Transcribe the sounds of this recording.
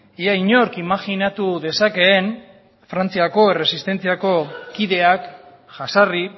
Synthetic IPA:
iajɲo̞ɾkimaxinat̪uðe̞sake̞ːn | fɾant͡siako̞ere̞sist̪e̞nt͡siako̞kiðe̞ak | ʝasari

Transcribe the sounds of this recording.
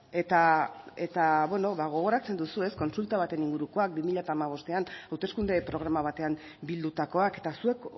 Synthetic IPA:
e̞t̪ae̞t̪aβwe̞no̞βaɣ̞o̞ɣ̞o̞ɾat͡se̞nd̪usue̞sko̞nsult̪aβ̞at̪e̞niŋɡuɾuko̞ak̚bimiʎat̪aːmaβ̞o̞st̪e̞anawt̪e̞skund̪e̞pɾo̞ɣ̞ɾamaβ̞at̪e̞am | bild̪ut̪ako̞ake̞̥t̪asue̞k

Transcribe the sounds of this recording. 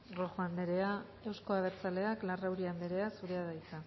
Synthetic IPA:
roxoand̪eɾe̞a | e̞wsko̞aβe̞ɾt͡sale̞aklarawɾiand̪eɾe̞asuɾe̞aðajt͡sa

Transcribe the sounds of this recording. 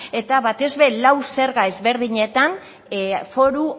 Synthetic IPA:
e̞t̪aβat̪e̞zβe̞lawse̞ɾɣae̞zβe̞ɾðiɲe̞t̪an | fo̞ɾu

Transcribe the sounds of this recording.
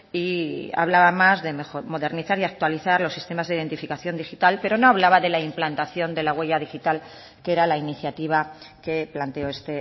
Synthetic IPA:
ia̰βlaβamazðe̞meomo̞ðe̞ɾniθaɾiak̚t̪waliθaɾlo̞sːist̪e̞mazðeiðe̞nt̪ifikaθjo̞nd̪ixit̪alpe̞ɾo̞no̞aβlaβaðe̞laimplant̪aθjo̞nd̪e̞laɣwe̞ʝað̞ixit̪al | keɾalainiθjat̪iβ̞ake̞plant̪eo̞e̞st̪e

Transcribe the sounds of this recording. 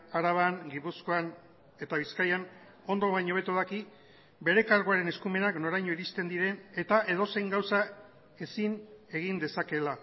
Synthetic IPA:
aɾaβaŋɡipusko̞an | e̞t̪aβ̞iskajan | o̞nd̪o̞βajɲo̞β̞e̞t̪uðaki | be̞ɾe̞kaɾɣoaɾe̞ne̞skume̞nakno̞ɾajɲo̞iɾist̪e̞nd̪iɾe̞ne̞t̪aʔe̞ð̞o̞se̞jŋɡawsa | e̞sine̞ɣind̪e̞sake̞la

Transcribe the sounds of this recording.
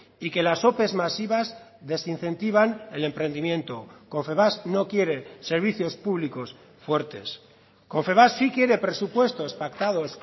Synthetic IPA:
ike̞laso̞pe̞zmasiβaz | ðe̞sin̟θe̞nt̪iβ̞ane̞le̞mpɾe̞nd̪imjẽ̞nt̪o̞ko̞ɱfe̞βasno̞kje̞ɾe̞se̞ɾβ̞iθjo̞spuβ̞liko̞s | fwe̞ɾt̪e̞s | ko̞ɱfe̞βasːikje̞ɾe̞pɾe̞supwe̞st̪o̞spak̚t̪að̞o̞s

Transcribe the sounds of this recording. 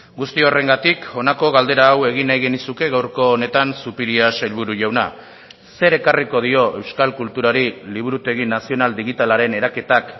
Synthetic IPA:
ɡust̪io̞re̞ŋɡat̪ikʰo̞nako̞ɣald̪e̞ɾaːwe̞ɣ̞inajɣenisuke̞ɣawɾko̞ːne̞t̪ansupiɾiaselβuɾuʝawna̰ | se̞ɾe̞kariko̞ðio̞ʔe̞wskalkult̪uɾaɾiliβ̞uɾut̪e̞ɣinasio̞nald̪iɣit̪alaɾe̞ne̞ɾake̞t̪ak

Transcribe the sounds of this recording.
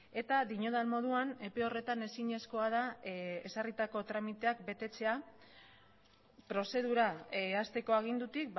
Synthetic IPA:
e̞t̪aðiɲo̞ð̞almo̞ð̞uane̞pe̞o̞re̞t̪ane̞siɲe̞sko̞að̞ae̞sarit̪ako̞t̪ɾamit̪e̞akbe̞t̪e̞t͡se̞a | pɾo̞se̞ð̞uɾaast̪e̞ko̞aɣ̞ind̪ut̪ik̚

